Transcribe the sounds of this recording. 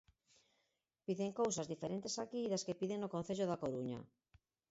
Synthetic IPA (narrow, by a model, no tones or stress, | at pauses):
piðeŋkowsazðifeɾent̪esakiːðaskepiðeŋnokon̟θeʎoðakoɾuɲa̰